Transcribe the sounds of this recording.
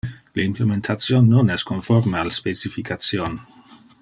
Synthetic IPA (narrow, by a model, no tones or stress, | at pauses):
leimplement̪ʰat͡sjonːonɛskonfoɾmealspet͡sifikʰat͡sjon